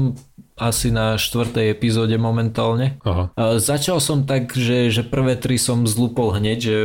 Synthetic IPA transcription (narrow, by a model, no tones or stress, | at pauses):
masinaʃt̪ʋr̩t̪ɛjɛpizɔːɟɛmɔmɛnt̪aːlɲɛaɦazat͡ʃalsɔmt̪aɡʒɛʒɛpr̩ʋɛːt̪ɾisɔmzluːpɔlɦɲɛɟʒɛ